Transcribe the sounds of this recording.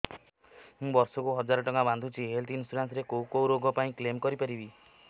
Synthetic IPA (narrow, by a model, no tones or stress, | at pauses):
mũbɔɾsɔkuɦɔd͡ʒaɾɔʈɔŋaband̪ʱut͡ʃʰiɦelt̪insuɾansɾekowkowɾoɡʱɔpaĩklemkɔɾipaɾibi